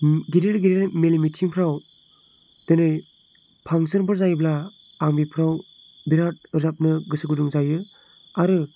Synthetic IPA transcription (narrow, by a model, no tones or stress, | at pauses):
ɡiɾeɾɡiɾeɾmelimitʰiŋpʰɾaw | d̥enɯj | pʰaŋsɯnbɯɾzajblaː | ŋbipʰɾaw | biɾat̚ɯzap̚nɯɡɯsɯɡɯduŋzajɯ | aɾɯ